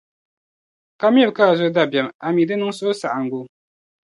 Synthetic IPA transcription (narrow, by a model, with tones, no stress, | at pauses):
ka˦m˦ɛ˦˨ka˦˨zo˦da˦˨bɛ˨ma˨miː˨dɨ˦nɨ˦ŋ˦so˦sa˨ʔa˨ŋ˨ɡu˦